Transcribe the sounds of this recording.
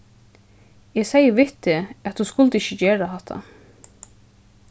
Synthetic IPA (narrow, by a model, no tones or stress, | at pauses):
ɛɡsejəʋɪht̪ɪæt̪huskʊlt̪əɪçəd͡ʑeːɹaɦɛht̪ʰa̰